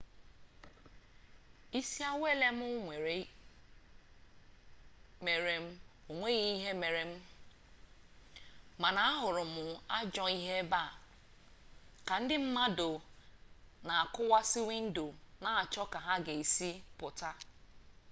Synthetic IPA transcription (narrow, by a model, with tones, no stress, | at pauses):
i˦si˦a˦wʷe˦le˦m̩˦ʊ˦ŋʷe˨ɾe˨ | me˨ɾe˨m̩˦o˨ŋʷe˦ɣi˦i˦ɦe˦me˨ɾe˨m̩˦ | ma˨na˨a˦ɦʊ˨ɾʊ˨mʊ˨a˦d͡ʒɔ˨i˦ɦe˦ba˦˨ | ka˨n̩˦dɪ˦m̩˦ma˦do˨ | na˨a˨kʊ˦wa˦si˦wi˦n̩˦do˨na˦a˨t͡ʃɔ˦ka˨ɦa˦ɡe˨i˨si˦pʊ˨ta˦